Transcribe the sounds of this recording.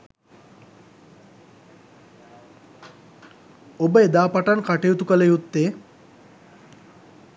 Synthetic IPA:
obəed̪aːpaʈankaʈejut̪ukəlejut̪ːe

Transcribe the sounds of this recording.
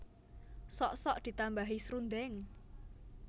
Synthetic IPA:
sɔʔsɔʔd̪̥i̤t̪ambaɦisɾund̪ɛŋ

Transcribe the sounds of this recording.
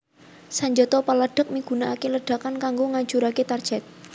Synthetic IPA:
saɲd͡ʒɔt̪ɔpalaɖ̥ə̤k̚miɡ̥ṳnaʔakeləɖ̥a̤kankaŋɡoŋaɲd͡ʒuɾaket̪ar̥d͡ʒ̥ɛt̪̚

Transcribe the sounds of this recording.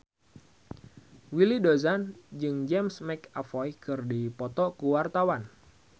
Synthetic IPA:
wilidozand͡ʒɨŋd͡ʒɛmsmɛkafɔjkɨrdipɔt̪ɔkuwart̪awan

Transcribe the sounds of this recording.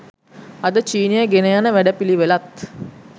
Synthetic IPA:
ɐd̪ət͡ʃiːnijəɡenejanəʋæɖəpiliʋelat̪

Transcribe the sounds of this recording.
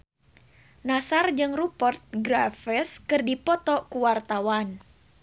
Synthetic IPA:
nasard͡ʒɨŋrupɔrt̪̚ɡɾafəskɨrdipɔt̪ɔkuwart̪awan

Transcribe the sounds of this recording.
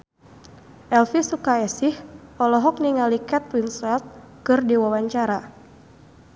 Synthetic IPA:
ʔɛlfisukaɛsɪhʔɔlɔɦɔk̚niŋalikɛt̪̚winsɛlt̪̚ | kɨrdiwawaɲt͡ʃaɾa

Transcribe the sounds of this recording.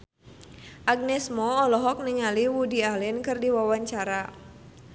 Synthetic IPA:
ʔaɡ̚nɛsmɔːlɔɦɔk̚niŋaliwudialɪnkɨrdiwawaɲt͡ʃaɾa

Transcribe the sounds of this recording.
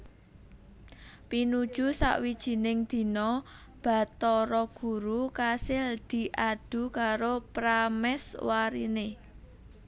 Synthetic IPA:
pinud̥ʒ̥ṳsa̰ʔwid̥ʒ̥i̤nɪŋd̪̥i̤nɔ | b̥a̤t̪ɔɾɔɡ̥ṳɾukasɪld̪̥i̤ʔaɖ̥ṳkaɾopɾamɛswaɾḭne

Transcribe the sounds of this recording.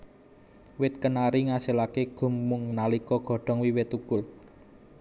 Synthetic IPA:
wɪt̪̚kənaɾiŋaselakeɡ̥ʊ̤mːʊŋnalikɔɡ̥ɔ̤ɖ̥ɔ̤ŋwiwɪt̪ukʊl

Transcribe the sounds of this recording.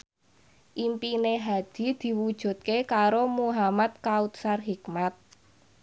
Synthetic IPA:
ʔimpineɦad̪̥i̤d̪̥i̤wud̥ʒ̥ṳt̪̚kekaɾomuɦamat̪̚kaut̪̚sarɦikmat̪̚

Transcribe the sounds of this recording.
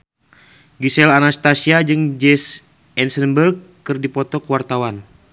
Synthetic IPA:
ɡisɛlanast̪asiad͡ʒɨŋd͡ʒɛs | ɛnsənbərɡːɨrdipɔt̪ɔkwart̪awan

